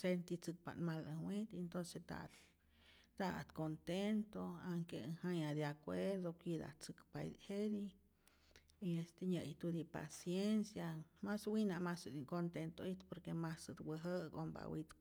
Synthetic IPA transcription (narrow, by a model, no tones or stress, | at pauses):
sent̪it͡sɨk̚pa̰nmaləwit̪ent̪onset̪a̰t̪ | t̪at̪kont̪ent̪oaŋkeŋhajad̪jakʷeɾd̪okʷid̪a̰t͡sɨkpa̰jd̪hed̪i | iest̪eɲəjt̪ud̪ipa̰sjensjamaswinamasd̪ikont̪ent̪oit̪poɾkemasəd̪wəɦəko̰mba̰wit̪